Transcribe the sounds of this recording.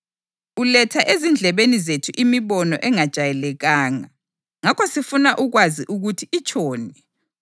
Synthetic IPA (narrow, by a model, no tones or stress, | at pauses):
ulɛtʰaʔezind͡ɮʱɛβenizetʰuʔimiβɔnɔʔɛŋad̥ʒ̥ʱajɛlɛɣaːŋa̰ | ŋakʰɔsifunaʔuɣwaziʔuɣutʰiit͡ʃʰʼɔːnɛ